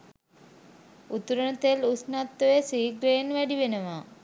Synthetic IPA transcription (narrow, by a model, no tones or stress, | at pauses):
ut̪uɾənət̪elusnat̪ːəʋesiːɡɾeːnʋæɖiʋenəʋa